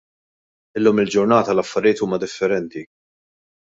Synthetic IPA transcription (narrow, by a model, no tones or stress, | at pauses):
ɪlːuːmɪld͡ʒʊɾnɐːt̪ɐlɐfːɐɾɪjɪːt̪uːmɐd̪ɪfːɛɾɛnt̪i